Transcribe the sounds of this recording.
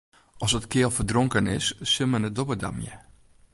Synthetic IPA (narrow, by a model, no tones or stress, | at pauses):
ɔsətkʰɪəlˠfərdroŋkənɪ̰sːɪmənɛt̚dobəda̰mjə̰